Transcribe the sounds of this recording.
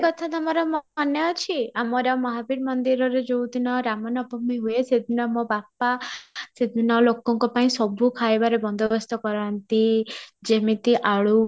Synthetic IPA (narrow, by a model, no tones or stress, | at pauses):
kɔt̪ʰat̪amɔɾɔmɔɔnjɔɔt͡ʃʰiamɔɾamɔɦabiɾmɔnd̪iɾɔɾed͡ʒowd̪inɔɾamɔnɔbɔmiɦuesed̪ʱinɔmɔbapased̪ʱinɔlokɔŋkɔpaĩsɔbʱukʰaebaɾebɔnd̪ʱɔbɔst̪ɔkɔɾant̪id͡ʒemit̪iʔaɭu